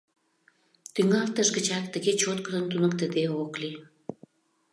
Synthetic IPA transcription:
t̪yŋɑlt̪əʃɡə̆t͡ɕɑkt̪əɣet͡ɕot̪kəd̪ənt̪unəkt̪əd̪eokli

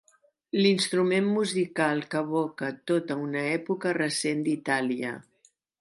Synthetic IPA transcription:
linst̪ɾumenmuzikalˠkəβɔkət̪ot̪əunəɛpukərəsend̪it̪aliə̰

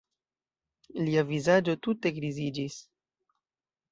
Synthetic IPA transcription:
liavizad͡ʒo̞tute̞ɡɾizid͡ʒis

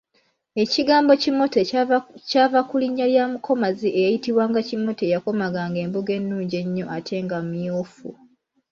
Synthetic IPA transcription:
e̞ciɡaːmbo̞cimo̞tecaːvakuliɲːaljaːmuko̞maziʔejajitiβwaːŋɡacimo̞te̞jako̞maɡaŋɡe̞ːmbuɡe̞nːuːɲɟe̞ɲːo̞ʔatʰe̞ːŋɡamjoːfṵ

